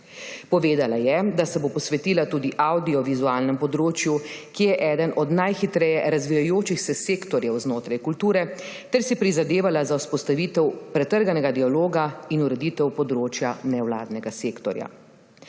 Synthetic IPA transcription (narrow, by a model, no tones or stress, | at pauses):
pɔʋeːd̪alajɛd̪asɛbopɔsʋɛt̪iːlat̪uːd̪iʔawd̪iɔʋizuaːlnɛmpɔd̪ɾoːt͡ʃjukijɛʔɛːd̪ənʔɔd̪najxit̪ɾɛjɛɾazʋijajoːt͡ʃixsɛseːkt̪ɔɾjɛwznoːt̪ɾajkult̪uːɾɛt̪ɛɾsipɾizad̪eːʋalazawspɔst̪aʋit̪ɛwpɾɛt̪əɾɡanɛɡad̪ialoːɡainuɾɛd̪iːt̪ɛwpɔd̪ɾoːt͡ʃjanɛwla̰ːd̪nɛɡaseːkt̪ɔɾja̰